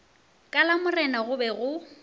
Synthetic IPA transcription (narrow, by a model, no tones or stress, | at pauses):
kʼalamʊrɛnaɣʊbɛɣʊ